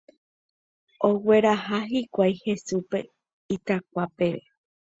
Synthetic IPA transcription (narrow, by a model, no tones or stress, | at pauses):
owe̞ɾaɦaɦikʷajhe̞supe̞ | it̪ak̚ʷape̞ʋe